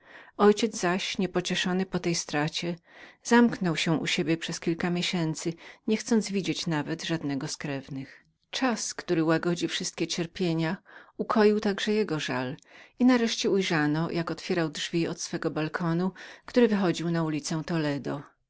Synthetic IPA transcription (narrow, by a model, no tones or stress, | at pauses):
ɔjt͡ɕɛd̪zzaɕɲɛpɔt͡ɕɛʂɔnɘpɔt̪ɛjst̪ɾat͡ɕɛz̥amknɔwɕɛ̃ʔṵɕebʲjɛpʂɛskʲilkamʲjeɕɛnt̪sɘɲɛxt̪sɔnd̪zvʲid͡ʑet͡ɕnavɛd̪ʐad̪nɛɡɔskɾɛvnɘx | t͡ʂaskt̪uɾɘwaɡɔd͡ʑifʂɘst̪̚kʲɛt͡ɕɛɾpʲjeɲaukʰɔjiwt̪aɡʐɛjɛɡɔʐa̰linaɾɛʂt͡ɕɛujʐanɔjʔakɔt̪fʲjeɾawdʐvʲiɔt̪sfɛɡɔbalkʰɔnukt̪uɾɘvɘxɔd͡ʑiwnaulʲit̪sɛw̃t̪ɔlɛd̪ɔ